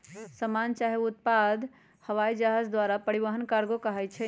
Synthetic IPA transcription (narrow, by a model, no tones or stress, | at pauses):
səmant͡ʃaɦeut̪̚pad̪ | həʋajd͡ʒaɦad͡ʒd̪ʋaɾapəɾiβəɦənkaɾɡokəɦɛt͡ʃʰɛ